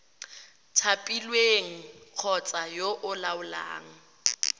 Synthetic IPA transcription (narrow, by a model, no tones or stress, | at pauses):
tʰapʼilweŋ̩q͡χʰɔt͡sʼajoʔʊlaʊla̰ːŋ̩